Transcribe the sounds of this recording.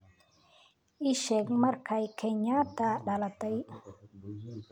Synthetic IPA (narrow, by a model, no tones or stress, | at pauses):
iʃɛkmaɾkʰajkʰeɲat̪aɗalat̪aj